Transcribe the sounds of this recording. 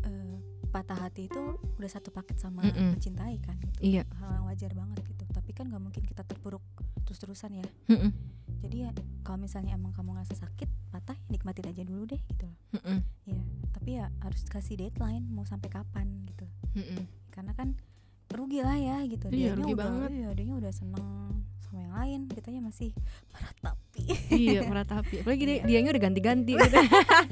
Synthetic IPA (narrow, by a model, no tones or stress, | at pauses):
ʔəː | pat̪aɦat̪iːt̪uudahsat̪upakɛt̪̚samamət͡ʃint̪aikanɡit̪aajaŋwad͡ʒarbaŋət̪̚ɡit̪ut̪apikanɡaʔmuŋkɪnkit̪at̪ərbuɾʊk̚t̪əɾʊst̪əɾusanja | d͡ʒadijakalomisalɲaemaŋkamuŋrasasakɪt̪̚pat̪ahnik̚mat̪ɪnad͡ʒaduludɛhɡit̪ulahijat̪apijahaɾʊskasidet̪laɪnmausampajkapanɡit̪u | jkarənakan | ruɡilahjahɡit̪udijaɾuɲaibajaadaɲaudahsənəŋsamajaŋlaɪnkit̪aɲamasɪhpəɾat̪apiijapəɾat̪apiaplaɡiddiaɲaudahɡant̪iɡant̪it̪